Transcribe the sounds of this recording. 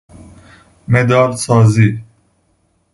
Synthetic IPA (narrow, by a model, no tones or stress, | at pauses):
med̪ɑːlsɑːzi